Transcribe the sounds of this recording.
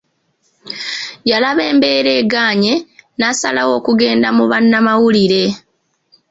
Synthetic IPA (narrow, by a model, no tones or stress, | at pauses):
jalaβe̞ːmbe̞ːɾe̞ːɡaːɲe̞nasalawo̞ːkuɡe̞ːndamuβanːamawuliɾe̞